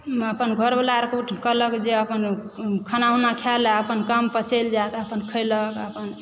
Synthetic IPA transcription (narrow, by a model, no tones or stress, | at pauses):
əpənɡʱəɾbəlaɾkuʈʰkələkd͡ʒeəpən | kʰənaunakʰaləpənkəmpət͡ʃəld͡ʒat̪əpənkʰəjləkəpən